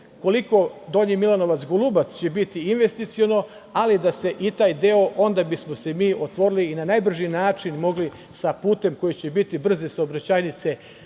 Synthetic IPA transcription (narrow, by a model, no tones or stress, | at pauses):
ko̞liko̞d̪o̞ɲimilano̞ʋat̪sɡulˠubat̪st͡ɕe̞bit̪iinʋe̞st̪it̪sio̞no̞ | alid̪ase̞ʔit̪aːjd̪eo̞ʔo̞nd̪abismo̞se̞miːʔo̞t̪ʋo̞ɾiliːnanajbr̩ʒinaːt͡ʃinmo̞ɡli | sapuːt̪e̞mko̞jet͡ɕe̞bit̪ibr̩zesaobɾat͡ɕaːjnit̪se̞